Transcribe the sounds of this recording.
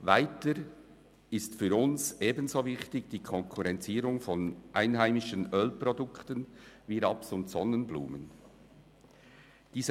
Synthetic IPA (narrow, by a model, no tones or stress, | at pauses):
vaɪtəɾ | ɪstfyɾʊnsʔeːbənzoːvɪçtɪɡd̥iːkʰɔŋkʰuɾɛnt͡siːɾʊŋfɔnʔaɪnɦaɪmɪʃənʔœlprɔdʊktənviɾɑpsʊntsɔnənblṵːmə̰n | d̥iːzə